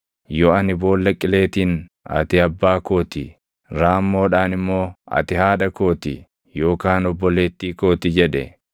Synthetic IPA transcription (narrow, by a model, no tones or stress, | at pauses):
jɔɐnɪbo̞ːlːɐkʼːɪle̞ːt̪iːn | ɐ̰t̪ɪɐbːaːko̞ːt̪ɪ | ɾaːmːo̞ːᶑaːnɪmːo̞ːɐ̰t̪ɪhaːᶑɐko̞ːt̪ɪ | jo̞ːkaːnɔbːɔle̞ːt̪ːiːko̞ːt̪ɪd͡ʒɛᶑɛ̰